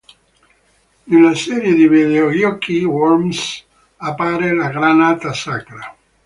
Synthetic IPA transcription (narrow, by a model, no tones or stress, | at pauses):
nelːasɛɾjed̪ivid̪eojɔkːiwɔɾms | apːaːɾelaɡɾanaːt̪asakɾa